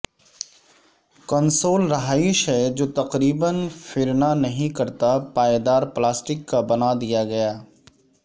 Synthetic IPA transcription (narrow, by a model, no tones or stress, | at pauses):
kənsoːlɾɐɦaːɪʃɦɛd͡ʒoːt̪ɐqɾiːbənfɪɾnanɐɦĩkɐɾt̪apaːed̪aːɾplaːsʈɪkːabɐnad̪ijaɡɐjaː